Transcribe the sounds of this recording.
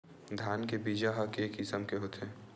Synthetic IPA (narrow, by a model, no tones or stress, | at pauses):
d̪ʱjaːnkebiːd͡ʒaɦɐkeeːkɪsəmkeɦoːt̪eː